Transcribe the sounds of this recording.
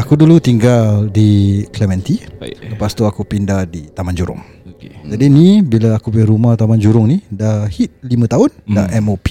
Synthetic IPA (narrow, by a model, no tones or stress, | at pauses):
akudulut̪iŋɡaldiklɛmɛ̃nt̪iləpast̪uakupindahdit̪amand͡ʒuɾʊ̰ŋ | oked͡ʒadinĩbilaakubiɾumaht̪amand͡ʒuɾʊŋnidahhit̪̚limə̃t̪aʊnda̰ʔɛmopi̥